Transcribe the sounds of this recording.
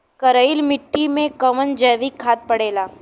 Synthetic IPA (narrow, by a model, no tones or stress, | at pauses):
kɐɾəɪlmɪʈːimẽkɐʋənd͡ʒɛːʋikʰːaːt̪̚pɐɽeːlaː